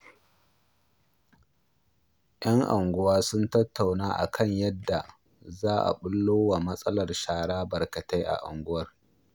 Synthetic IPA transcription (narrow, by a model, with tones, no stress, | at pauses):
ʔj̰ɐ˦ŋʔa̰˨ŋɡʷʊ˦waː˦sʊ˦ntɐ˦tʰːa˨wnaː˦ʔa̰˨kʰɐ˦˨ɲjɐ˦dːa˨ | zaː˦ʔa̰˨ɓʊ˦lːoː˦wa˨mɐ˦sʼɐ˦lɐ˨rʃaː˨ɽaː˦bɐ˨rkɐ˨ta˦jʔa̰˨ʔa̰˨ŋɡʷʊ˦wɐ˦r